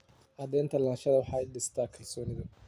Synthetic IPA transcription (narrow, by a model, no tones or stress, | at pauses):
ʔɐd̪ɛːnt̪ʰɐlaːnʃɐðɐwɑħɑːɛɖɪst̪ʰaːkʰɐlsɔːnɪðɐ